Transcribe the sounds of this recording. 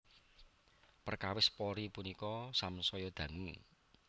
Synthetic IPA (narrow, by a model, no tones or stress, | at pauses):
pərkawɪspɔɾipunikɔsamsɔjɔd̪̥ä̤ŋṵ